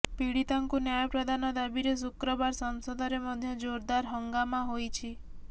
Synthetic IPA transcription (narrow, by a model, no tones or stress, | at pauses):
piɽit̪aŋkunjajɔpɾɔd̪anɔd̪abiɾes̬ukɾɔbaɾsɔŋsɔd̪ʱɔɾemɔd̪ʱjɔd͡ʒoɾd̪aɾɦɔŋɡamaɦojt͡ʃʰi